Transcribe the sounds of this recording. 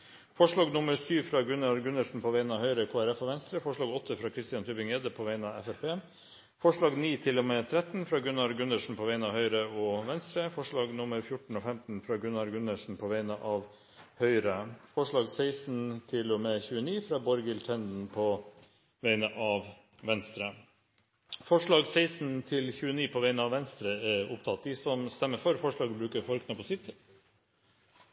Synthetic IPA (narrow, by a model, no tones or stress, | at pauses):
fɔʂɭɑːɡnʊməɾsyːʋfɾɑːɡʉnɑɾɡʉnːəʂɳ̩pʰoːʋeɪnɑʋhœʏɾəkʰoːæɾɛfɔːʋɛnst̪ɾəfɔʂɭɑːɡɔt̪ʰːəfɾɑːkʰɾɪst̪ɪɑnt̪ʰyːpɪŋeːd̪əpʰoːʋæɪnɑʋɛfɛpeː | fɔʂɭɑːɡniːt̪ʰɪlomɛːt̪ʰɾɛt̪n̩fɾɑːɡʉnɑɾɡʉnəʂɳ̩pʰoːʋeɪnɑːʋhœʏɾəoːʋɛnst̪ɾəfɔʂɭɑːɡnʊməɾfjʊʈɳ̩oːfɛmt̪n̩fɾɑːɡʉnɑɾɡʉnəʂɳ̩pʰoːʋeɪnəʔɑːʋ | hœʏɾəfɔʂɭɑːɡseɪsnt̪ʰɪlɔmɛçʉːəniːfɾɑːbɔɾɡɪlt̪ʰɛnd̪n̩pʰɔ | ʋæɪnəʔɑʋ | ʋɛnst̪ɾə | fɔʂɭɑːɡsæɪsnt̪ʰɪlçʉːəniːpʰɔʋæɪnəɑʋɛnst̪ɾəɛʊ̰p̚t̪ʰɑt̪̚ːd̪ɪsɔmst̪ɛmːəfɔɾfɔʂɭɑːɡbɾʉːkəɾfɔɾknəpɔsɪt̪ː